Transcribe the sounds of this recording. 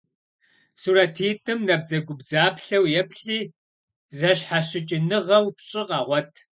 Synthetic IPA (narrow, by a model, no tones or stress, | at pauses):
suɾɐtʰiːtʼɨmnɐb̚d͡zɐɡʷʊbzaːpɬɐwjɛpʰɬiː | zɐɕħaɕɪt͡ʃʼɪnɨʁɐwpɕʼɪqɑʁʷɔtʰ